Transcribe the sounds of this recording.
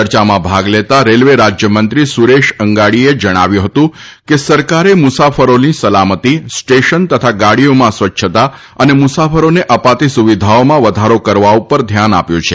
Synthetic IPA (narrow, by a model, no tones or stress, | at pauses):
əɾt͡ʃamãbʱaɡlet̪aɾelʋeɾad͡ʒjəmənt̪ɾisuɾeʃəŋɡaɽied͡ʒəɽ̃a̰ʋjũɦət̪ũ | kesəɾkaɾemʊsafəɾonisəlamət̪isʈeʃənt̪ət̪ʰaɡaɽijomãsʋətːʃʰət̪a | ənemʊsafəɾoneʔəpat̪isuʋid̪ʱaomãʋəd̪ʱaɾokəɾʋaupəɾd̪ʱjana̰pjõt͡ʃʰe